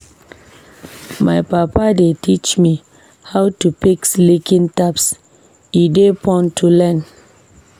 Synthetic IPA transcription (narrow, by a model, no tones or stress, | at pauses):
maɪpapadetʰit͡ʃmi | hawtupikslikĩntaps | idepʰɔ̃ntʰulɛ̃n